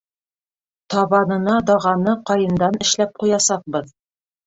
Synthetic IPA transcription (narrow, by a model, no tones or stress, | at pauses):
t̪ɒβɑnɤ̆nɑd̪ɒʁɑnɤqɒjɤ̆nd̪ɑnɘ̆ʃlæp̚qujɑsɑq̚bɤð